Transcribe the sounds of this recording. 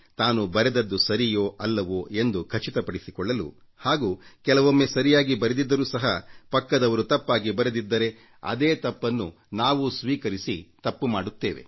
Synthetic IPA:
t̪aːnubɐɾed̪ɐd̪ːusɐɾijoːʔɐlːɐʋue̞nd̪ukʰɐt͡ʃit̪ɐpɐɽisikɔɭːɐlṵ | haːɡuːkɛlɐʋomːeːsɐɾijaːɡibɐɾed̪id̪ːɐɾuːsɐɦɐpɐkːɐd̪ɐʋɐɾut̪ɐpːaːɡibɐɾed̪id̪ːɐɾe̞ | ɐ̰d̪eːt̪ɐpːɐnːu | naːʋusʋiːkɐɾisit̪ɐpːumaːɽut̪ːeːʋe̞̰

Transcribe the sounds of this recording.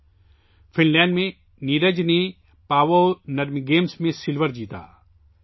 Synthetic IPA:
fʰɪnlɛ̃ːɳɖmẽ | niːɾəd͡ʒne | paːʋonɐɾmiɡeːmsmẽsɪlʋəɾd͡ʒiːt̪a̰ː

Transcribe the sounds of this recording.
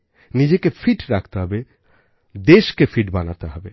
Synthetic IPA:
nid͡ʑekefʰiʈɾak̚ʰt̪eɦɔbe | d̪eʃkefʰiʈbanat̪eɦɔbe

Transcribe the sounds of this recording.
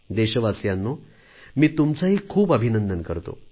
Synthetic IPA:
d̪eɕəʋasjanːo | miːt̪umt͡saɦiːkʰuːpəbʱinənd̪ənkəɾt̪o̰

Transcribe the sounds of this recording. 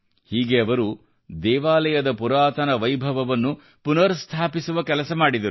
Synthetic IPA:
hiːɡe̞ɐʋɐɾu | d̪ɛːʋaːlɐjɐd̪ɐpuɾaːt̪ɐnɐʋɐjbʱɐʋɐʋɐnːu | punɐɾst̪ʰaːpisuʋɐkɛlɐsɐmaːɽid̪ɐɾu

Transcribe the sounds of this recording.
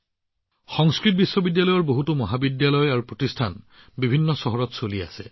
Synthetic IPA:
xɔŋskɹit̚bisːɔbidjalɔjɔɹboɦutumɔɦabidjalɔjaɹupɹotistʰa̰n | bibʱinːɔsɔɦɔɹɔtsolia̰sɛ

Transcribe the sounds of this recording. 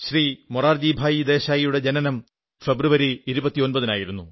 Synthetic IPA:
ɕrimoraːrd͡ʑiːbʱaːjid̪e̞ːɕaːjijuɽe̞d͡ʑenɐnɐm | fe̞bruʋɐɾiːiɾubɐt̪ːionbɐðinaːjiɾunːu

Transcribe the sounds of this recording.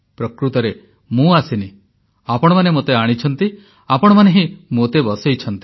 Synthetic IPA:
pɾɔkɾut̪ɔɾe | mũasini | apɔɽ̃ɔmanemot̪eaɽ̃it͡ʃʰɔnt̪i | apɔɽ̃ɔmaneɦimot̪ebɔsejt͡ʃʰɔnt̪i

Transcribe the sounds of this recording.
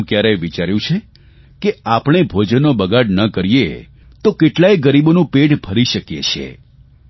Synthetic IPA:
kjaɾəjʋit͡ʃaɾjũt͡ʃʰe | keapɳ̃ebʱod͡ʒənːobəɡaɽnəkəɾije | t̪okeʈlajɡəɾibonũpeʈbʱəɾiʃəkjet͡ʃʰḛ

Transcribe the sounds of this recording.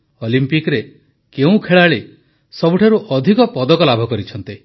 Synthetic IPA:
ɔlimpikɾe | keũkʰeɭaɭe | sɔbʱuʈʰaɾuʔɔd̪ʱikɔpɔd̪ɔkɔlabʱɔkɔɾit͡ʃʰɔnt̪i

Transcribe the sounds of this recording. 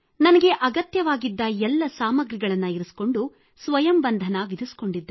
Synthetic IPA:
nɐnɐɡe̞ʔɐɡɐt̪jɐʋaːɡid̪ːɐɛlːɐsaːmɐɡɾiɡɐɭɐnːɐiɾusko̞ɳɖu | sʋɐjɐmbɐnd̪ʱɐnɐʋid̪ʱusko̞ɳɖid̪ːe

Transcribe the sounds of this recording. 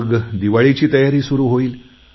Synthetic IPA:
ɡd̪iʋaɭit͡ɕiːt̪əjaɾiːsuɾuːɦoiːl

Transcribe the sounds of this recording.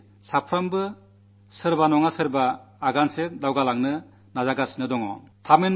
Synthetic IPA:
sapʰɾambɯ | sɯɾbanɔŋasɯɾbaːɡanseɾdawɡalaŋnɯ | nazaɡasinɯdɔŋɔ̰tʰamen

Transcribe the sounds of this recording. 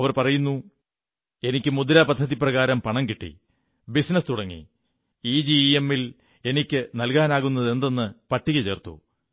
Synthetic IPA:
ɐʋɐrpɐrɐjunːu | e̞nikʲːɨmud̪ɐɾaːpɐd̪ʱːɐðiprɐɣaːɾɐmpɐɳɐŋkiʈːḭ | bisnɐst̪uɽɐŋːḭ | iːd͡ʑiemːil | e̞nikʲːɨnɐlkaːnaːɣunːɐðe̞nd̪e̞nːɨpɐʈʰːiɣɐt͡ɕe̞ːrt̪ṵ

